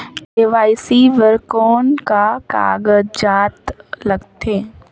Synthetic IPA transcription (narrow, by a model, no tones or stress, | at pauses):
eːʋaːisiʋəɾkoːnkaka̰ːɡəd͡ʒd͡ʒaːt̪lɐɡt̪eː